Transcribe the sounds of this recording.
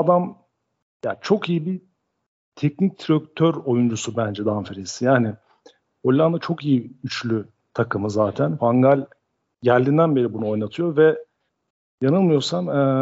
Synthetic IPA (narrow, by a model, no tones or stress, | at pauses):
ad̪am | ja̰ːt͡ʃʰo̞kijibi | t̪ʰɛc̚nic̚t̪ʰɾøk̚t̪ʰøɾo̞jund͡ʒusubænd͡ʒɛd̪anfeɾesijaːnɪ | olʲːand̪at͡ʃʰo̞kijiyt͡ʃlʲy | t̪ʰakʰɯmɯzaːt̪ʰænfaŋɡalʲ | ɟæɾlʲːind̪ænbe̞ɾibunuo̞jnat̪ʰɯjo̞ɾvɛ | janɯlˠmɯjo̞ɾsamɛ